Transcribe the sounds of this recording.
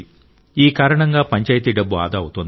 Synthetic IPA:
iːkaːɾɐɳɐŋɡaːpɐɲt͡ʃɐjit̪iɖɐbːua̰ːd̪aːwut̪und̪

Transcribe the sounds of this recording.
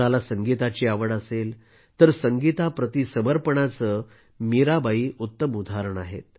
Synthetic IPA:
alasəŋɡit̪at͡ɕiːaʋəɽəsel | t̪əɾsəŋɡit̪apɾət̪isəməɾpəɳat͡sə | miɾabaiːʔut̪ːəmud̪ʱaɾəɳaɦḛt̪̚

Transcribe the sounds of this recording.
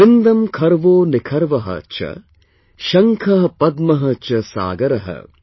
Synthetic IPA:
ɪnd̪ɐmkʰɐɾʋoːnɪkʰɐɾʋɐɦɐ̰t͡ʃʰɐ̰ | ʃɐŋkʰɐɦɐpɐd̪mɐɦɐt͡ʃɐsa̰ːɡɐɾɐɦɐ̰

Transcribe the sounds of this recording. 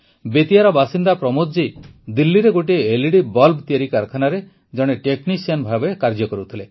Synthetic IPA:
bet̪ijaɾɔbasind̪apɾɔmod͡ʒid̪ilːiɾeɡoʈ̬ieeliɽibɔlbt̪iaɾikaɾkʰanaɾe | d͡ʒɔɽ̃eʈeknisianbʱabekaɾd͡ʒɔkɔɾut̪ʰile

